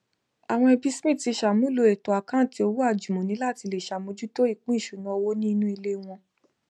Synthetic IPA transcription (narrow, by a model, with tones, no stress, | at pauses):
a˨w̃ɔ̃˧ɛ˧bi˦smĩ˦˨ti˧ʃa˨mũ˦lo˧e˨to˨a˨kã˦˨ti˧o˧wu˦a˦˨d͡ʒu˨mɔ̃˨nĩ˨˦la˦˨ti˧le˨ʃa˨mõ˨˧˦d͡ʒu˦to˦i˦˨k͡pũ˦i˦˨ʃu˨˦nũ˨˦ɔ˧wo˦nĩ˦˧nũ˦i˧le˦w̃ɔ̃˧